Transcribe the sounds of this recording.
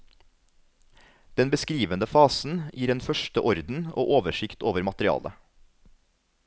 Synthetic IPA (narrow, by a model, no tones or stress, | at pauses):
d̪̥ɛnbəskɾiːʋənəfɑːsn̩jiːɾeːnfœʃʈəʔɔɾd̪n̩o̰ːʔoːʋəʃɪkt̪oːʋəɾmɑt̪ɾɪɑ̰ːlʔə